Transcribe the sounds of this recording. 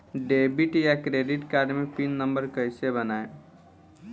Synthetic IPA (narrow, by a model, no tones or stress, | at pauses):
ɖebiʈjakɾeɖiʈkaɾɖmepinːəmbəɾkəjsebənae